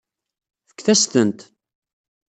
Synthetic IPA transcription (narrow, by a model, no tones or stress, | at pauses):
fə̥kːθæst̪ənt̪